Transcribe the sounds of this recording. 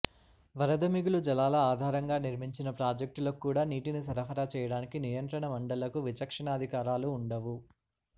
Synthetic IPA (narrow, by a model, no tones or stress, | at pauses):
ʋɐɾɐd̪ʱɐmiɡulud͡ʒɐlaːlɐaːd̪ʱaːɾɐŋɡaːniɾmiɲt͡ʃinɐpɾaːd͡ʒɐk̚ʈloːkːuːɽaːniːʈinis̬ɐɾɐpʰɐɾaːt͡ʃɛːjɐɽaːnikinijɐnt̪ɾɐɳɐmɐɳɖɐlɐkuʋit͡ʃɐkʂɐɳaːd̪ʱikaːɾaːluːɳɖɐʋu